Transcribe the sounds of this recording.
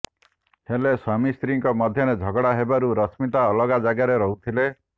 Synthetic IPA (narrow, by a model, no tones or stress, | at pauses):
helesamist̪ɾiŋkɔmɔd̪ʱjɔned͡ʒʱɔɡɔɽaɦebaɾuɾɔsmit̪aɔlɔɡad͡ʒaɡaɾeɾɔɦut̪ʰile